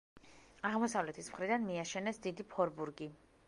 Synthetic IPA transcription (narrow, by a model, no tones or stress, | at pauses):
aʁmɔsavlɛt̪ʰismχɾid̪anmiaʃɛnɛsd̪id̪ipʰɔɾbuɾɡi